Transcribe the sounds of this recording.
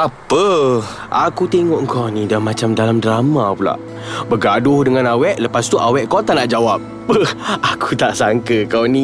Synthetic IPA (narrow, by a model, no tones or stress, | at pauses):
apə | ʔakut̪eŋɔʔŋkawnidamãt͡ʃamdalamdɾamapula̰ʔ | bərɡadʊhdəŋãnawɛʔləpast̪uʔawɛʔkot̪anaʔd͡ʒawap̚ | əaku̥t̪aʔsaŋkəkawni